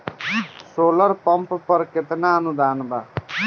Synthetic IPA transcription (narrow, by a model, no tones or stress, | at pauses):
solʌɾpʌmppʌɾket̪naːnud̪aːnba